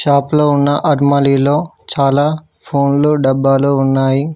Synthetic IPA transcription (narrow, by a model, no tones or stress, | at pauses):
ʃaːploːunːɐʔɐɾmɐlilo̞ː | t͡ʃaːlaː | pʰoːnluɖɐbːaːloːunːaːji